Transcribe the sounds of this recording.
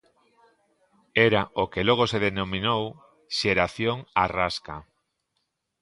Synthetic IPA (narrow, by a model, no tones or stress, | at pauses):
ɛɾaokeloɣ̞oseðenomĩnow | ʃeɾaθjoŋaraska